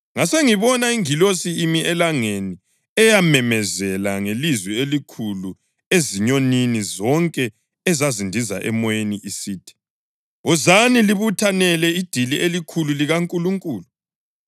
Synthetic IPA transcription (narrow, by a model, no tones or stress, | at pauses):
ŋaseŋiβɔnaiŋilosiːmiʔɛlaŋeni | ɛjamɛmɛzɛlaŋelizwielikʰulu | eziɲoninizɔŋkʼɛ | ɛzazindʱiza̰ʔɛ̰mɔjeniʔisiːtʰi̥ | ɔzaniliβutʰanɛlɛid̥ʱilielikʰululiɣaŋkʼuluŋkʼuːlu